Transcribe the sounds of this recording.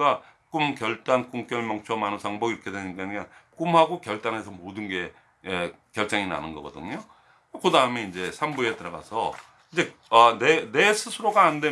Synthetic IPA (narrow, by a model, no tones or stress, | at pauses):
ɡak͈umkjʌɭt͈ank͈uŋk͈jʌɭmʌŋt͡ɕʰʌmanɯnsʰaŋbʌɡiɾʌkʰe̞dweɲik͈aɲikank͈umhaɡokjʌɭt͈ane̞sʰʌmodɯnɡe̞ | kjʌɭt͡ɕ͈aŋina̰nɯnɡʌɡʌ̰dɯ̰ɲo | okɯdaɯmeind͡ʑe̞sʰambuetɯɾʌɡa̰sʰʌ | ind͡ʑe̞ | ʌnene̞sʰɯsʰuɾoɡaːnde